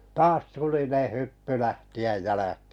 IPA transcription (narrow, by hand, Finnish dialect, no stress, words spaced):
tɑːs tulineˑ hypːy læhtiæj jælæki̥ː